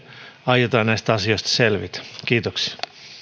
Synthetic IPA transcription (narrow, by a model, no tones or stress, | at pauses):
ɑjet̪ɑːnnæist̪æɑsioist̪ɑ̥selʋḭt̪kiːt̪oksi̥ɑ